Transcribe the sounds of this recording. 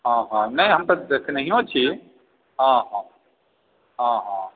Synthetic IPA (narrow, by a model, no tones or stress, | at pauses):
ɦãːɦãnɐɦĩɦɐmt̪ɐdeːsenɐɦĩɦot͡ʃʰi | ɦãːɦãː | ɦãːɦãː